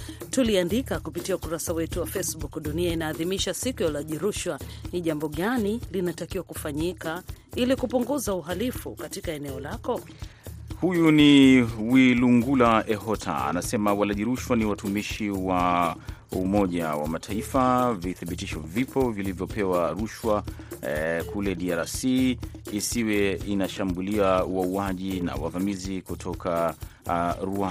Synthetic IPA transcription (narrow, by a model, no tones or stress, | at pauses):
tuliandikakupitiaukuɾasawɛtuwafesɓukɗuniainaːðimiʃasikujalaʄiɾuʃwaniʄambɔɠanilinatakiwakufaɲikailikupuŋɡuzauɦalifukatikaɛnɛɔlakɔ | hujuniwiluŋɡulaɛhɔtʰa̰a̰nasɛmawalaʄiɾuʃwaniwatumiʃiwa | umɔʄawa̰matʰaifaviθaɓitiʃɔvipɔvilivjɔpɛwaɾuʃwa | kulɛɗiaɾasiː | siwɛinaʃambuliawauwaʄina̰wa̰vamizikutʰɔkʰa | ɾua